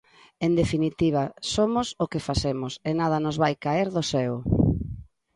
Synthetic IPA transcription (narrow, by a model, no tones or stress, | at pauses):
end̪efinit̪iβ̞ɐsomʊsokefasemʊsenað̞ɐnozβajkaeɾðʊsɛw